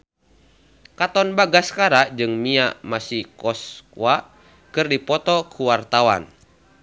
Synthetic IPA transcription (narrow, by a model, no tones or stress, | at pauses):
kat̪ɔnbaɡaskaɾad͡ʒɨŋmiamasihkɔskua | kɨrdipɔt̪ɔkʰuwart̪awa̰n